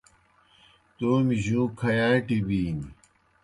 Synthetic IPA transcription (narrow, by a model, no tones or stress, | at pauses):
t̪oːmiʑũːkʰɐjaːʈibiːni